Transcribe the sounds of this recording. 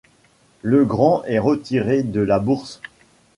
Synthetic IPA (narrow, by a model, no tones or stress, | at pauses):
ləɡʁɑ̃ʔɛʁət̪iʁed̪əlabuʁs